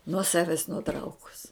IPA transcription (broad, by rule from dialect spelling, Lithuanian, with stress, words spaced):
nuɔ ˈsɑːʋʲɛs nʊˈtrɐʊkʊs